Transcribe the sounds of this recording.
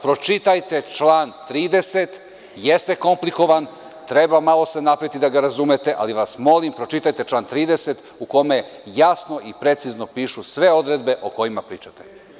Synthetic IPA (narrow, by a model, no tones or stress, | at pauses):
pɾo̞t͡ʃit̪ajt̪e̞t͡ʃlˠaːnt̪ɾiːd̪e̞set̪ | jest̪eko̞mpliko̞ʋan | t̪ɾe̞bamalˠo̞se̞napɾaʋit̪id̪aɡaɾazumet̪e̞ʔaliʋasmo̞limpɾo̞t͡ʃit̪ajt̪e̞t͡ʃlˠaːnt̪ɾiːd̪e̞set̪ | uko̞mejasno̞ʔipɾe̞t̪sizno̞piːʃusʋe̞o̞d̪ɾed̪be̞ʔo̞ko̞jimapɾḭːt͡ʃat̪e